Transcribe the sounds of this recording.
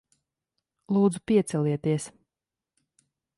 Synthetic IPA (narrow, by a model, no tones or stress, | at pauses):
lˠuːd̪zupiɛt̪sɛliɛt̪iɛs